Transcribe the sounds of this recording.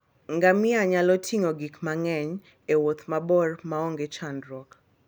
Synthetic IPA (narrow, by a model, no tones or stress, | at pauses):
ŋɡamɪaɲalɔtʰiŋoɡikmaŋɛɲ | ewot̪mabɔrmaoŋɡet͡ʃandɾɔk